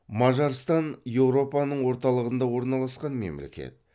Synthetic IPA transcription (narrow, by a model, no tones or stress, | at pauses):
mɑʒɑɾst̪ɑnje̞wɾo̞pɑnəɴwo̞ɾt̪ɑlˠəʁənd̪ɑwo̞ɾnɑlˠɑsqɑnme̞̰mle̞̰kʲe̞̰t̪̚